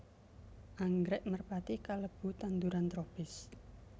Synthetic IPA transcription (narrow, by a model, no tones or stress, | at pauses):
ʔaŋɡɾɛʔmərpat̪ikaləb̥ṳt̪and̪uɾant̪ɾopɪs